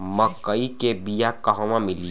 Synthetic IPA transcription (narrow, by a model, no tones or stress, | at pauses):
mɐkːəikebijakɐɦɔ̃mãmɪli